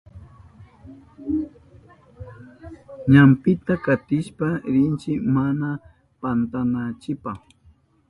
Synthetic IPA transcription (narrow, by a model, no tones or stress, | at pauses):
ɲampɪt̪akat̪ɪʃpaɾɪnt͡ʃɪmana | pant̪anat͡ʃɪpaχ